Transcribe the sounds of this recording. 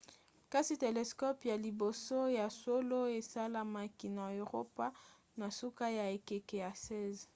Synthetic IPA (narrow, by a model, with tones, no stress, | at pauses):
ka˦si˦te˨le˨skɔ˦pja˨li˨bo˨so˦ja˨so˦lo˦e˨sa˦la˦ma˨ki˨na˨o˨ʁo˦pa˦ | na˨su˦ka˦ja˨e˨ke˨ke˨ja˨sɛ˦z